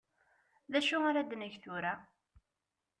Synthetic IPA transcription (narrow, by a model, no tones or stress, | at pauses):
ðæʃuaɾad̪næʝθʊɾæ